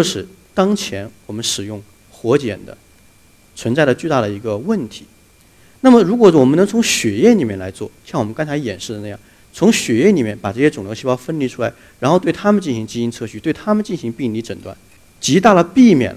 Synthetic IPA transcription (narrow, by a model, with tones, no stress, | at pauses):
t͡ɕjo˥˧ʊʂɻ̩˥˩ | t̪ɑ˥ŋt͡ɕʰjɛ˧˥nwɔ˨˩mə˦nʂɻ̩˨˩jʊ˥˩ŋ | xwɔ˧˥t͡ɕjɛ̰˨˩nd̪ə̰˦ | t͡sʰwə˧˥nt͡sa˥˩ɪd̪ə˩t͡ɕy˥˧t̪a˥˩ɾə˩i˧˥ɡə˧wə˥˩nt̪ʰi̥˧˥ | na˥˩mə˩ɻu˧˥kwɔ˨˩wɔ˨˩mə˦nɤ˧˥ŋt͡sʰʊ˧˥ŋɕɥɛ˨˩jɛ˥˩ni˨˩mjɛ˥˩nla̰˧˥ɪt͡swɔ̰˥˩ɕjwɔ˨˩ə˦ŋkɑ˥t͡sʰa˧˥ɪjɛ˨˩nʂɻ̩˥˩d̪ə˩na˥˧jɑ̰˥˩ŋ | t͡sʰʊ˧˥ŋɕɥɛ˨˩jɛ˥˩ni˨˩mjɛ˥˩npa˨˩ʈ͡ʂɤ˥˩ɕjɛ˥ʈ͡ʂʊ˨˩ŋljt͡ɕʰi˥ɑ˥˧ʊfə˥nli˧˥ʈ͡ʂʰu˥la˧˥ɪ | ɻa˧˥nxo˥˧ʊt̪we˥˩ɪt̪ʰa˥mə˨nt͡ɕi˥˩nɕi˧˥ŋt͡ɕi˥i˥nt͡sʰɤ˥˧ɕy˥˧t̪we˥˩ɪt̪ʰa˥mə˨nt͡ɕi˥˩nɕi˧˥ŋpi˥˧ŋli˧˥ʈ͡ʂə˨˩nt̪wa̰˥˩n | t͡ɕi˧˥t̪a˥˩lə˩pi˥˩mjɛ̰˨˩n˦